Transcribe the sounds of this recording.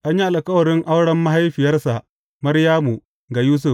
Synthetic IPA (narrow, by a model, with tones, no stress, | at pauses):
ʔa˦ɲ˦ji˦a˨la˨kɐ˦wɐ˨ɾɪ˦ŋʔa˦wɽɐ˦mːa˦ɦa˦jɸi˨jɐ˦ɾsa˨ | mɐ˦ɾja˦mu˨ | ŋɡa˨juː˦s̬u˨f